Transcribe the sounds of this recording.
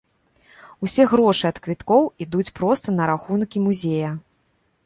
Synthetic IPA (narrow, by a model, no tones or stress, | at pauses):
usʲɛɣɾɔʂɨɐt̪kvʲit̪kɔwid̪ut͡sʲpɾɔst̪ɐnɐɾaxunkʲimuzʲejɐ